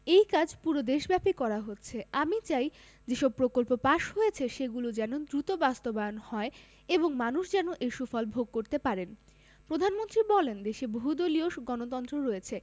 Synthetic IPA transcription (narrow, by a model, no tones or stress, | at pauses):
ejkad͡ʑʱpuɾod̪eʃbɛpikɔɾaɦotːɕʰeamit͡ɕaj | d͡ʑeʃɔb̚pɾokolpopaʃɦojet͡ɕʰeʃeɡulod͡ʑɛnod̪ɾut̪obast̪obaonhɔe | eboŋmanuʃd͡ʑɛnoʔejʃufɔlbʱoɡ̚koɾt̪epaɾen | pɾod̪ʱanmont̪ɾibɔlend̪eʃeboɦud̪olioʃɡɔnot̪ɔnt̪ɾoɾojet͡ɕʰe